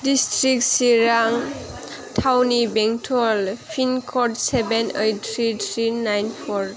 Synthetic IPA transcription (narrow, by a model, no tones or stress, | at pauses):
distɹik̚siɾaŋ | tʰawnibɛŋtʰɔlpʰinkʰɔʈsɛbɛnejt̪ʰɹit̪ʰɹinajnpʰɔɹ